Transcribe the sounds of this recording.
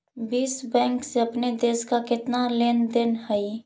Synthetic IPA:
biːsbɛ̃ːŋkseɐpned̪eːskakɪt̪naleːnd̪ɪnhəi

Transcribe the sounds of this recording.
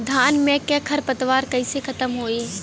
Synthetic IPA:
d̪ʱaːnmẽkekʰəɾpət̪ʋaːɾkəɪsekʰət̪əmɦoːe

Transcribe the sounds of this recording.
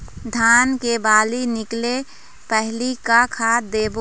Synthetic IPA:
d̪ʱaːnkebaːlinɪkle | pɛɦlikakʰaːd̪eːbo

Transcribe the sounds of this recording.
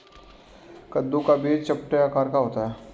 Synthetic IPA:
kəd̪ːukabeːt͡ʃɐp̚ʈejakaːɾkaɦoːt̪aɦɛː

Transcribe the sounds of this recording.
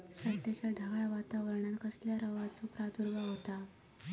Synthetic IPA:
səɾt̪at͡ɕjaɖʱəɡaɭʋat̪aʋəɾɳankəsljaɾəʋat͡sopɾad̪uɾʋaɦot̪a

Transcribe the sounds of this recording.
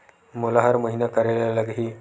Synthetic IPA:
molaɦaɾməɦinakəɾaljaləɡɦiː

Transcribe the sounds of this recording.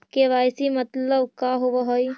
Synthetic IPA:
keʋaːjsimət̪ləbkaɦoʋaɦoi

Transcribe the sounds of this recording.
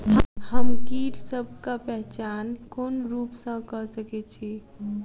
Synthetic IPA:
həmkiɾsəb̚ʱkapɛɦt͡ʃankonɾupsə̃kəsəkɛt͡ʃʰi

